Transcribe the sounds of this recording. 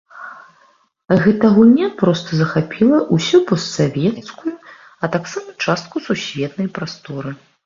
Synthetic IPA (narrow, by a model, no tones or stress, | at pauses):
ɣɛt̪ɐɣunʲapɾɔst̪ɐzɐxapʲilˠɐʔusʲupɐsːavʲɛt̪t̪skuju | ɐt̪aksamɐt͡ʂast̪̚kususʲvʲɛt̪nɐjpɾast̪ɔɾɨ